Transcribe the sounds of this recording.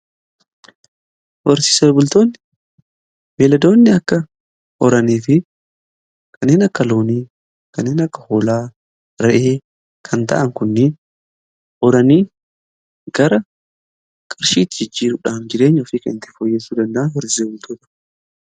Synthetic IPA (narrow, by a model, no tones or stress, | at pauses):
ʔɔɾsɪseːbʊlt̪oːnːɪ | meːlɐd̪o̞ːnːɪɐkːɐ | ʔɔɾɐniːfɪ | kʰɐnːeːnɐkːɐlo̞ːniː | kɐnːeːnɐkːɐ̥hoːlaː | ɾɛʔeː | kʰɐnt̪ɐ̰ʔɐŋkʊnːɪ | ʔɔɾɐniː | ɡɐɾɐ | kʼɐɾʃiːt̪ɪd͡ʒɪd͡ʒːiːɾʊᶑaːnd͡ʒɪɾe̞ːɲːɔfiːkɐnɪnt̪ɪ̥fɔjːeːsuːd̪ɐnd̪ɐʔɐnwɔɾsɪsebʊlt̪ʰoːt̪ɐ̥